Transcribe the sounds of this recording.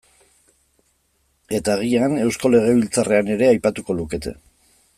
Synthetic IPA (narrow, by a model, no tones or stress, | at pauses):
e̞t̪aɣ̞iane̞wsko̞le̞ɣ̞e̞β̞ilt͡sare̞ane̞ɾe̞ajpat̪uko̞luke̞t̪ʰe̞̰